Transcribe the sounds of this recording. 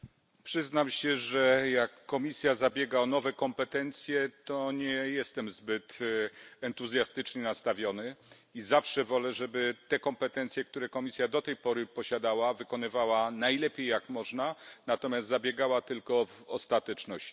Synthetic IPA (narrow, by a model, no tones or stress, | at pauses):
pʂɘznamɕɛʐɛjakːɔmʲisʲjazabʲjɛɡaɔnɔvɛkɔmpɛt̪ɛnt̪sʲjɛt̪ɔɲɛjɛst̪ɛmzbɘt̪ | ɛnt̪uzʲjast̪ɘt͡ʂɲɛnast̪avʲjɔnɘ | izafʂɛvɔlɛʐɛbɘt̪ɛkɔmpɛt̪ɛnt̪sʲjɛk̚t̪uɾɛkɔmʲisʲjad̪ɔt̪ɛjpɔɾɘpɔɕad̪awavɘkɔnɘvawanajlɛpʲejːakmɔʐnanat̪ɔmʲjast̪zabʲjɛɡawat̪ɘlkɔvɔst̪at̪ɛt͡ʂnɔɕi